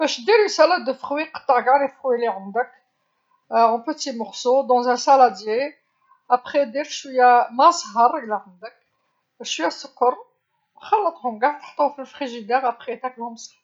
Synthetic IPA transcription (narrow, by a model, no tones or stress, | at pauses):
bæʃd̪iɾəsælæd̪əfχwiqɑ̥t̪ˤːɑʕɡaʕɾifʁwiliʕand̪ək | ɔ̃pət̪imɔʁsod̪ɑ̃zæ̃sælæd̪je | ʔapχed̪iɾʃwijæmæsˤɦɑrˤːəɡlaʕand̪ək̚ | ʃwjæsəkːəɾˤ | xɑlːət̪ˤhʊmɡaʕt̪ə̥ħt̪ˤuwfilfχiʒid̪ɛʁapχed̪æklæmsˤhɑ